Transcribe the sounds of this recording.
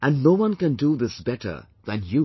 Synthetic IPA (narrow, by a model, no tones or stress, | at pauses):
ʔæ̃nːoʊwʌ̃nkɨ̃nduðɪsbɛtə̰˞ | ðɨ̃nju